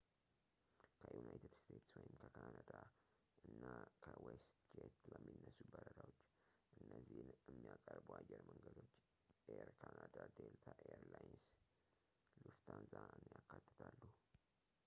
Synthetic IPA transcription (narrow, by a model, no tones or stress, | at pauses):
kʰəjunajt̪ɨd̪st̪ʰet̪swɔjɪmkʰəkʰanad̪a | ɨnːakʰəwest̪t͡ʃet̪bəmːinːəsːubəɾəd̪awot͡ʃː | ʔɨnːəzːihnjɛmːijakʼəɾbuajːɛɾməŋɡəd̪o̞t͡ʃː | ʔeɾkʰanad̪ad̪elt̪ʰaʔeəɾlajns | lɨft̪ʰanzaɨnjakːat̪ʰːɨ̥t̪ʰalːu